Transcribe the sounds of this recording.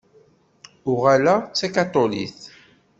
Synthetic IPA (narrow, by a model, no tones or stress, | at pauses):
ʊʁælæt͡sːækat̪ˤolḭθ